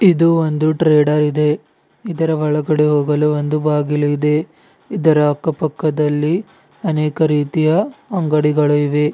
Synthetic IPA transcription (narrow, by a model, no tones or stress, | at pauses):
id̪uond̪uʈɾeːɖɐɾid̪e̞ | id̪ɐɾɐʋɐɭɐɡɐɽeɦoːɡɐluond̪ubaːɡiluid̪e̞ː | d̪ɐɾɐɐkːɐpɐkːɐd̪ɐlːi | ɐnɛːkɐɾiːt̪ijɐɐŋɡɐɽiɡɐɭuiʋe̞